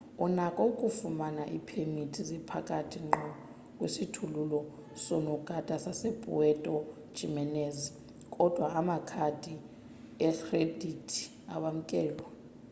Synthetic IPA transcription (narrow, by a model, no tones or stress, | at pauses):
unakʼɔukʼufumanaʔḭpʰemitʰizɛpʰakʼatʰiŋ͡ǃɔ | kʼwesitʰululɔ | sɔnɔɡ̥ʱad̥ʱʼasasepʼṵwɛtʼɔ̥ | ʒ̥ʱimɛnɛz | kʼɔd̥ʱwaamakʰad̥ʱi | ɛkredʱitʰi̥ | a̰ɓam̩kʼɛːlwa